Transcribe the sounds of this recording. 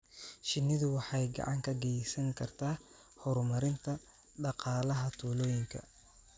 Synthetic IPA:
ʃɪnːɪðʊwɑħɑjɡɑ̰ʕɑŋkʰɐɡɛjsɐŋkʰɐrt̪ʰaː | hɔɾmɐɾɪnt̪ʰɐ | ɖɑqɑːlɐɦɐt̪ʰuːlɔːjɪŋkʰɐ̰

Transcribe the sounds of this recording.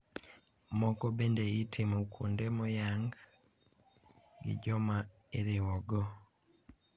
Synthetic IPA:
mɔkɔbendeitʰimukʰṵndemɔjaŋɡ | ɡɪ̰d͡ʒɔma | eɾɪwɔɡɔ

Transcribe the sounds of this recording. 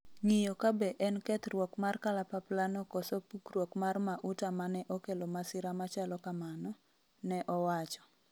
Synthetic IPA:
ŋijokabɛʔɛnkɛt̪ɾwɔkmarkalapaplanɔkɔsopukrwɔkmarmaʔʊtamanɛʔɔkelɔmasɪɾamat͡ʃalɔkamanɔ | nɛʔɔwat͡ʃɔ̥

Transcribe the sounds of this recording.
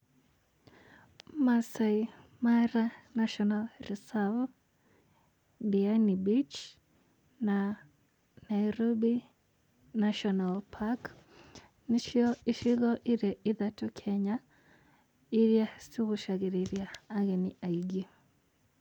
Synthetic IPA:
masaimaɾanaʃɔnalrisal | bianibit͡ʃ | na | naiɾɔbi | naʃɔnalpʰak | niʃiɔʔiʃiɣɔʔiɾɛʔiðatɔkʰɛɲa | iɾjasiɣuʃaɣiɾeɾjaːɣɛniʔaiɡi

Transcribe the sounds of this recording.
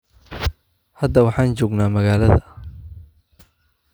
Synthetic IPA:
hɐd̪ːɐwɑħɑːnt͡ʃɔːɡnaːmɐɣaːlɐðɐ

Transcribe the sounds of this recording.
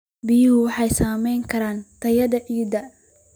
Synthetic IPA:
bɪjʊhʊwɑħɑjsaːmɛjŋkʰɐɾaːnt̪ʰɐjɐd̪ɐʕiːd̪ɐ

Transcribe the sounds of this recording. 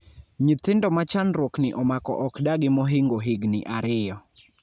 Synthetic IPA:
ɲɪt̪ɪndɔmat͡ʃanɾwoknɪʔɔmakɔ̰ʔɔkdaɡɪmɔɦiŋɡoɦiɡnɪ̰ʔaɾɪjɔ

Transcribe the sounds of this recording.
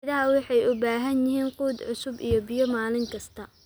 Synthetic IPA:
ɪðɐɦɐwɑħɑjʊbaːɦɐnjɪɦiːnquːd̪ʕʊsʊbijɔbɪjɔmaːlɪŋkʰɐst̪ʰɐ

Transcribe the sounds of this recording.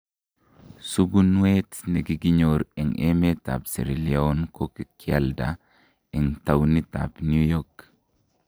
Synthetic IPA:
suɡunwetneɡiɡiɲoɾiŋemeta̰psḛɾiliaonkokikia̰lda̰ | iŋtawnita̰pnjujɔk

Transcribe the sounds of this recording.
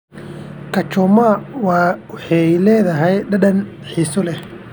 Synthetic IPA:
kʰɐt͡ʃɔmawɑːwħɑjlɛːðɐɦɛjɖɐɖɐn | ħiːsɔlɛ

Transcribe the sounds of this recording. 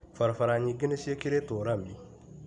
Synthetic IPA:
faɾfaɾaɲiɡinesijekiɾetoɾami

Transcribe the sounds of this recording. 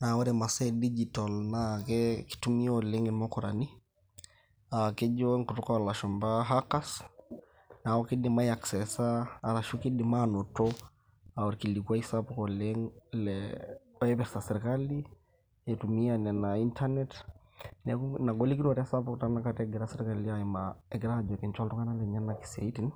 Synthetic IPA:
naɔɾɛmasɛdid͡ʒitalnakɛki̥tumiɔlɛŋɛmɔkɔɾani | akɛʄɔŋkutɔkawalaʃɔmbaɦakas | naɔkidimaiaksɛsaːlaʃukidimanɔtɔ | awɔɾkilikuaisapɔkɔlɛŋlɛ | aɛpɛsasɛɾikali | etumianɛnaintʰanɛt | nɛkunaɡɔlikinɔɾiasapukɔtanakataɡɛɾasɛɾikalliaɛmaɛɡɛɾad͡ʒɛkɛnt͡ʃwaltɔkanalɛɲanaki̥sa̰itin

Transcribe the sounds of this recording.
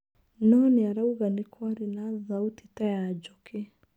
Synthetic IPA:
nɔniaɾauɣanikʰwaɾinaðautitajad͡ʒɔkʰe

